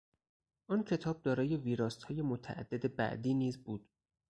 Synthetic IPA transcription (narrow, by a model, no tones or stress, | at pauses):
ʔɒːncʰe̞t̪ʰɒːb̚d̪ɒːɾɒːje̞viːɾɒːshɒːje̞mot̪ʰæ̰ʔæ̰d̪̥ːed̪e̞bæ̰ʔd̪iːniːzbuːd̪̥